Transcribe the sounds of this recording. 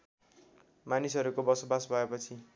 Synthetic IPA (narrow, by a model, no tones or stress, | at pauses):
manisʌɾukobʌsobasbʱʌepʌt͡sʰi